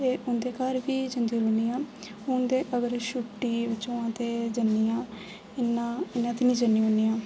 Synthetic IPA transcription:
t̪eːʊnd̪eːkaɾbiːd͡ʒənd̪iːɾoːnijãː | ʊnd̪eːʔəɡəɾʃʊʈːiːbɪtːt͡ʃõːãːt̪eːd͡ʒənːiːãː | ɪnːaːɪnːãːt̪eːnĩːd͡ʒənːiːɦʊnijãː

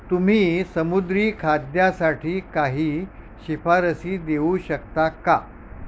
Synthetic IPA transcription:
t̪um̤iːsəmud̪ɾiːkʰad̪jasaʈʰiːkaɦiː | ɕifaɾəsiːd̪euɕəkt̪aka

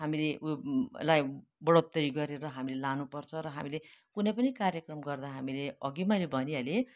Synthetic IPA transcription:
ɦamileʔulajbʌɽot̪ːʌɾiɡʌɾeɾʌɦamilelanupʌrt͡sʰʌɾʌɦa̰milekunʌpʌnikaɾjʌkrʌmɡʌrd̪aɦamileʌɡimʌjlebʱʌniale

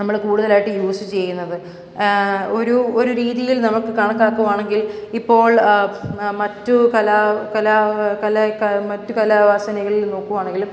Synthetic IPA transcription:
nɐmːɐɭkuːɽuðɐlaːjiʈːɨjuːsɨt͡ɕe̞jːunːɐðɨ | o̞ɾuoɾuɾiːðijilnɐmukːɨkaːɳɐkːaːkːuʋaːɳe̞ŋɡilipːo̞ːɭ | mɐtːukɐlaːkɐlaːkɐlɐkɐmɐtːukɐlaːʋaːsɐnɐɣɐɭilno̞ːkːuʋaːɳeŋɡilum

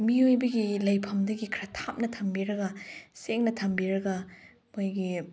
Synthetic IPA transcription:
miojbɐɡilɐjpʰɐmdɐɡikʰɾɐtʰap̚nɐtʰɐmbiɾɐɡɐseŋnɐtʰɐmbiɾɐɡɐ | mojɡi

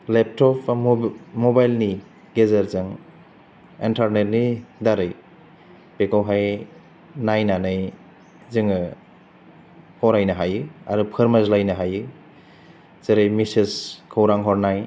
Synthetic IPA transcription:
lep̚tʰɔpʰ | mɔbajlni | ɡezaɾzɯŋ | intʰaɾnet̚nidaɾɯj | pekawɦaj | najnanɯj | zɯŋɯ | hɔɾajnaɦajɯa̰ɾupʰɯɾmazlajnaɦajɯ | zɯɾɯjmisiskʰawɾaŋɦɔɾnaj

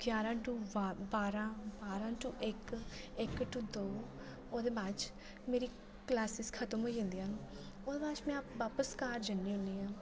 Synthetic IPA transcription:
ɡjaːɾãːʈuːʋabaːɾãːbaːɾãːʈuʔɪkɪkʈuːd̪oː | oːd̪eːbaːt͡ʃ | meːɾiː | klɛːsɪskʰət̪əmɦoːid͡ʒə̃ːnd̪iːaːnː | oːd̪eːbaːt͡ʃmɛ̃ːpʋaːpəskaːɾd͡ʒənːiːɦʊ̃nd̪iːɦãː

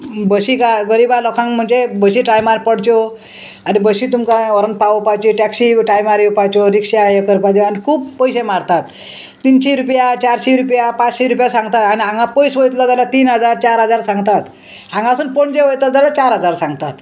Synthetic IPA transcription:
bəɕikaɡəɾibalɔkʰãŋm̤əɳd͡zebəɕiːʈajmaɾpəɽt͡ɕo | anibəɕiːt̪umkaɔɾənpaəpajt͡ɕiʈɛksiʈajmaɾiupajt͡ɕoɾikʂajekəɾpad̪eanikʰuːbpəjɕemaɾt̪at̪ː | iːnɕeɾupjat͡ɕaɾɕeɾupjapat͡sɕeɾupjasãŋɡt̪at̪aniãŋɡapəjsʋəjt̪lɔd͡zalat̪iːnɦəd͡zaɾt͡ɕaɾɦəd͡zaɾsãŋɡt̪at̪ | ãŋɡasuːnpoɳd͡ʑeʋəjt̪ɔd͡zalat͡ɕaɾɦəd͡zaɾsãŋɡt̪at̪

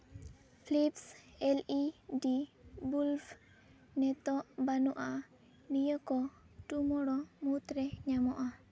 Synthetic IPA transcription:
pʰlipsɛliɖibulf | nɛt̪ɔʔbanɔʔa | nijəkɔ | ʈumɔɽɔmut̪ɾɛɲamɔʔa

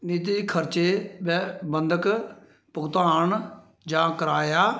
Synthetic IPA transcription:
niːt̪iːkʰəɾt͡ʃeːbbənd̪ək | pʊɡt̪aːɳ | d͡ʒãːkəɾaːjaː

